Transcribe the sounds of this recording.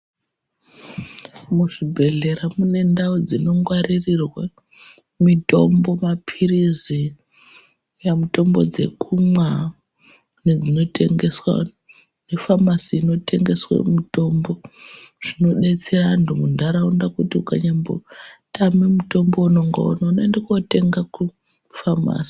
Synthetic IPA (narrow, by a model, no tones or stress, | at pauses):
muʐibʱe̞ɮe̞ɾamune̞ndaod͡zino̞ŋɡwaririrwe | mito̞̰mbo̞mapʰirizi | jamuto̞mbo̞̰d͡ze̞̰kumwa | ned͡zino̞tʰe̞ŋɡe̞swa̰ | nefamasiːno̞tʰe̞ŋɡe̞swa̰muto̞mbo̞ʐ̥ino̞ɗe̞t͡serantumundaɾaundakutiukaɲambo̰tamemuto̞mbouno̞ŋɡo̰o̰naunoendekate̞ŋɡaku | fama̰ːsi̥